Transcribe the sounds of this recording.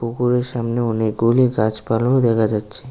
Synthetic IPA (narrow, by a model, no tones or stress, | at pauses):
pukuɾeɾʃamneoniɡoliɡat͡ɕpalod̪ɛkʰad͡ʑatːʃʰe